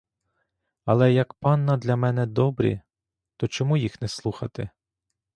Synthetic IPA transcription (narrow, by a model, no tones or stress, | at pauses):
ɐlˠɛjɐkpɑnːɐd̪lʲɐmɛnɛd̪ɔbɾʲḭ | t̪ɔt͡ʃɔmujixnɛslˠuxɐt̪ɪ